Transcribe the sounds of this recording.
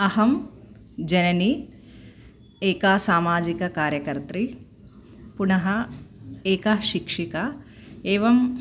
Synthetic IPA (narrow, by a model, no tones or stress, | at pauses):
ɐhɐm | d͡ʒɐnɐni | eːkaːsaːmaːd͡ʒikɐkaːɾjɐkɐɾt̪ɾi | punɐɦɐ | eːkɐʃikʂikɐeːʋɐm